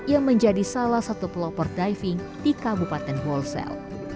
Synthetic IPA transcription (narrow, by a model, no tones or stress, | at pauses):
jaŋməɲd͡ʒadisalahsat̪uplɔpɔrdajfiŋ | dikabupat̪ɛnwɔlsɛ̰l